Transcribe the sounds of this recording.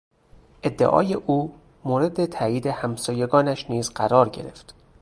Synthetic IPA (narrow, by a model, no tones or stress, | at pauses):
ʔe̞d̪ːeʔɒ̰ːje̞ʔuː | moːɾe̞d̪et̪ʰæːjiːd̪e̞hæmsɒːje̞ɡɒːnæʃniːzɢæɾɒːɾɟe̞̰ɾe̞̰ft̪